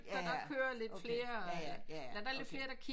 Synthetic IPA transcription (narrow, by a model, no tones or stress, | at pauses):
ɒd̥ɑ̈kʰøːɐle̝d̥fle̝ːɐɒlæd̥ɑ̈ɐle̝d̥fle̝ːɐɾ̥ɑ̈kʰi